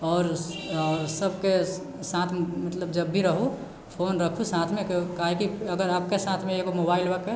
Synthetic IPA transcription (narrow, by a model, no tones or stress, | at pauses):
ɔːɾ | səbke | sãːt̪ʰmət̪ləb̚d͡ʒəbːʱiɾəɦu | pʰoːnɾəkʰusãt̪ʰmẽkkaːɦekiəɡəɾaːp̚kesãːt̪ʰmẽeɡomobaːɪlbake